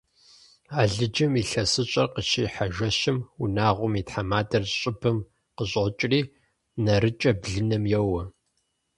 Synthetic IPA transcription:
aːɮɨd͡ʒɐmiːɬɐsɨɕʼɐrqəʃiːħaʒʷɐɕɪmunaːʁʷʊmitħamaːdɐrɕʼɪbʰɨm | qəɕʼot͡ʃʼriː | nɐɾɨt͡ʃʼɐbɮɨnɐmjɛwɐ

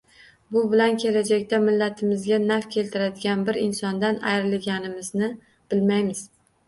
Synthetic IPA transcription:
bʊbɪlankʲʰe̞lad͡ʒakʲt̪amɪlːat̪ʰɪmɪzɡʲanafkʲʰe̞lt̪ʰɪɾad̪ɪɡʲanbɪɾɪnsɒnd̪ana̰jɾɪlɡʲanɪmɪznɪ | b̥ɪlmajmɪz̥

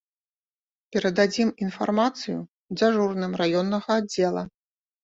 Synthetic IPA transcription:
pʲɛɾɐd̪ad͡zʲiminfa̰rmat̪sɨjṵ | d͡zʲaʐurnɨmrajɔnːɐɣɐad͡zʲɛlˠɐ̰

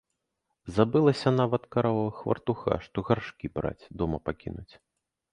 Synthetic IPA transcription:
zabɨlˠɐsʲɐnavɐt̪kaɾavɐvɐxvɐ̰rt̪uxa̰ʂt̪ɔɣarʂkʲibɾa̰t͡sʲd̪ɔmɐpakʲinut͡sʲ

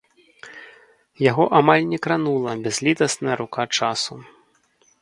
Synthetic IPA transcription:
jaɣɔʔamalʲnʲɛkɾanulˠɐbʲɛzʲlʲit̪ɐsnɐjɐɾukat͡ʂasu

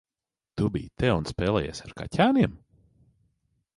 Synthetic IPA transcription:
t̪ubḭjt̪ɛunspɛːlˠɛːjḛːsaɾka̰tʲaːniɛm

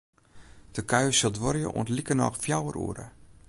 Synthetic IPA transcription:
d̥əkʰaɥəsɪlˠdʋɔɾjə̰ʔṵəntlikənɔ̰xfjawərṵəɾə̰

